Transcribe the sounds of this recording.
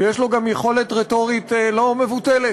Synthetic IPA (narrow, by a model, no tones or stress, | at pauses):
jeʃlo̞ɡamjeχo̞le̞t̪ʁet̪o̞ʁit̪elo̞me̞vut̪ele